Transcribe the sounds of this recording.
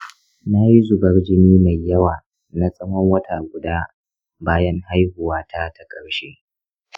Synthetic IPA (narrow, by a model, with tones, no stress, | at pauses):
na˦ji˦zʊ˨bɐ˦ɽd͡ʒɪ˦miː˦ma˨jjːɐ˦waː˨ | na˦sʼɐ˦mɔ˦ŋwɐ˦tʰaː˨ɡʷʊ˨daː˦ | baː˦jɐ˦ŋha˦jhʊ˨waː˦tʰa˦ta˦kʼɐ˨ɽʃeː˦